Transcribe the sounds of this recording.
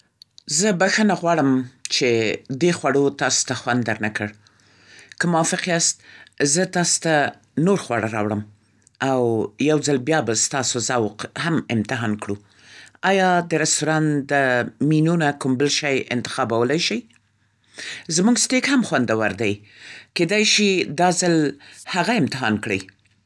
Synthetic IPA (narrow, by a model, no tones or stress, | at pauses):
zəbaxənaɣwɑɽəmt͡ʃed̪exwaɽot̪ɑso̥t̪axwand̪ːaɾnakəɽ | kəmʊwɑfɪqiast̪̚zət̪ɑso̥t̪a | noɾxwaɽaɾɑ̰wɽəm | awjawzd͡zalbjɑbast̪ɑsozawqhamɪmt̪ɪɦɑnkɽu | ɑjɑd̪əɾɪst̪uɾɑnd̪əminunakʊmbəlʃajɪ̰nt̪ɪ̥xɑbawəlajʃəj | zmuɡstekhamxwand̪awaɾd̪aj | ked̪ajʃid̪ɑzalhaɣaɪmt̪ɪɦɑnkɽəj